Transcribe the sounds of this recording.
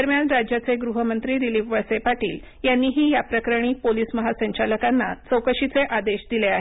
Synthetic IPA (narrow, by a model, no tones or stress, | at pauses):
əɾmjanɾad͡ʑjat͡seɡɾuɦəmənt̪ɾiːd̪iliːʋʋəɭsepaʈḭːl | janːiːɦiːjapɾəkɾəɽ̃iːpoliːsməɦasəɲt͡ɕaləkanːat͡səwkəɕit͡seʔad̪eɕd̪ileaɦe